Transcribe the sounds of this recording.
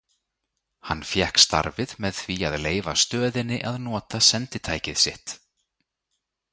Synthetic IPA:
hanːfjɛhkst̪a̰ɾvɪðmɛðθviaðleːjva̰st̪œːðɪnːɪʔaðnɔːt̪asɛnt̪ɪt̪ʰaːjcɪð̥sɪht̪

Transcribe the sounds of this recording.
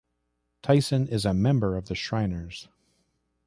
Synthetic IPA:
tʰaɪsɨ̃nɪzɨmɛ̃mbə˞ʌvðɨʃɹ̥ãɪ̃nə˞z̥

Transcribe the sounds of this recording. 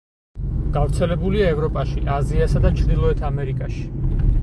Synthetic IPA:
ɡ̥avɾt̪sʰɛlɛbuliaɛvɾɔpʼaʃiʔaziasad̪at͡ʃʰɾd̪ilˠɔɛt̪ʰamɛɾikʼaʃi̥

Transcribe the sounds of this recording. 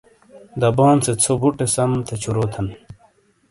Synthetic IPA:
d̪ɐboːnset͡sʰobuʈesɐmt̪ʰet͡ɕʰuɾoːt̪ʰɐn

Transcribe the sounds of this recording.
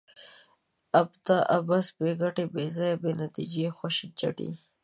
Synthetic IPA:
abt̪aʔabasbeɡaʈebezɑjabenat̪id͡ʒexʊʃit͡ʃa̰ʈḭ

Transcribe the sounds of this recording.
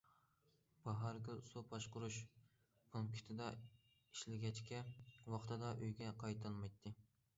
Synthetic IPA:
b̥ɑɦɑɾkʲylsupʰɑʃqʊɾuʃ | bʰulkʲʰi̥t̪ʰɪd̪ɑ | iʃlɪɡʲɛt͡ʃkʲɛwɑχt̪ʰɨd̪ɑʔøjɡʲɛqʰɑjt̪ʰɨlˠmɑjt̪ʰːɨ

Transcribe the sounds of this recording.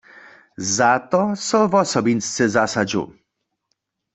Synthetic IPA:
zat̪ɔsɔvɔsɔbinst̪sɨzasad͡ʑṵ

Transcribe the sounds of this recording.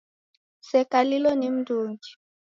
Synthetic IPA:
sɛkalilɔnim̩dʱuːŋd͡ʒi̥

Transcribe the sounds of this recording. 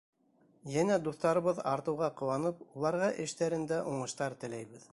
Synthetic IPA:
jænæd̪uθt̪ɑɾɤ̆βɤðɑɾt̪ɤ̆wʁɑqŏwɑnɤp̚ulˠɑɾʁɑʔɘ̆ʃt̪æɾɘ̆nd̪æʔuɴɤ̆ʃt̪ɑɾt̪ɘ̆læjβɘð

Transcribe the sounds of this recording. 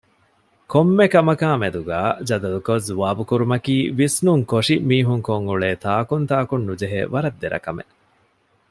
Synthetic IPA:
komːekɐmɐkaːmed̪uɡaːd͡ʒɐd̪ɐlukozuʋaːbukuɾumɐkiːʋisnuŋkoʂimiːɦuŋkoŋɡuɭeːt̪aːkunt̪aːkunːud͡ʒeɦḛʋɐɾɐd̪ːeɾʔɐ̰kɐmḛ

